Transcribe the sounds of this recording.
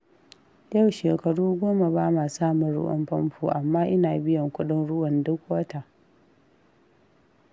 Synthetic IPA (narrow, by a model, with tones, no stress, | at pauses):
ja˦˨wʃeː˨kɐ˨ɽuː˦ɡʷoː˦ma˨baː˦maː˨saː˦mʊ˨nɽʊ̰˦ʔɔ̰˦mɸɐ˦mɸuː˨ʔa˨mːaː˦ʔɪ˦naː˨bɪ˦jɐ˨ŋkʷʊ˦ɗɪ˦nɽʊ˦wɐ˨ndʊ˦k̚wɐ˦ta˨